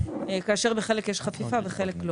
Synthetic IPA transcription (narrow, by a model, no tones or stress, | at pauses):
ekaːʃeʁbeχe̞lekjeʃχafifabeχeleklo